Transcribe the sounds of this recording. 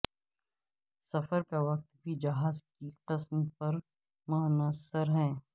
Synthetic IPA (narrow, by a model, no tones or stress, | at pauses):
sɐfəɾkaʋɐq̚t̪bʱid͡ʒɐɦaːzkiqɪsmpɐɾ | mʊnəsəɾɦɛ̃ː